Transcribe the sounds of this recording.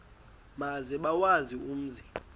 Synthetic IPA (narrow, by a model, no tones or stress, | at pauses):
mazɛɓawazium̩ziː